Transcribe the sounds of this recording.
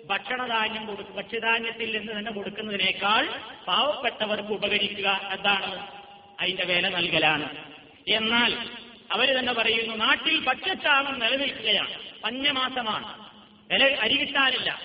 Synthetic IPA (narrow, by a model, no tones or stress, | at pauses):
bʱɐʈʂɐɳɐd̪ʱaːnjɐmko̞ɽukːubʱɐʈʂɐd̪aːnjɐt̪ːilninːɨt̪ɐnːe̞ko̞ɽukːunːɐðine̞ːkːaːɭbʱaːʋɐpːeʈːɐʋɐrkɨubɐɣɐɾikʲːuɣɐend̪aːɳɨ | ɐðinde̞ʋeːlɐnɐlkɐlaːɳɨ | e̞nːaːl | ɐʋɐɾut̪ɐnːe̞pɐrɐjunːunaːʈːilbʱɐʈʂɐt̪ːaːmɐmnelɐnilkːuɣɐja̰ːɳɨpɐɲːɐmaːsɐma̰ːɳɨ | ʋelɐɐɾiɣit̪ːaːnilːɐ̰